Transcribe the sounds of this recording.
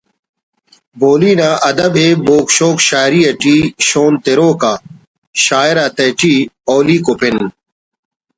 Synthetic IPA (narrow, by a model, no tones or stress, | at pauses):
bʱoːliːnaːʔɐd̪ɐbʱeːboːkɕoːkɕaːɾiːɐʈiːɕoːnt̪eɾoːkaː | ɕaːjɾaːt̪ɐʈiːoːliːkopʰen